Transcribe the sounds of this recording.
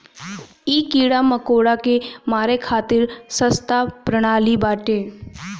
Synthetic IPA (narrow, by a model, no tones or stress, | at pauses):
iːkiːɽaməkoːɽakemaːɾekʰaːt̪ɪɾsəst̪apɾəɽ̃aːlibaːʈeː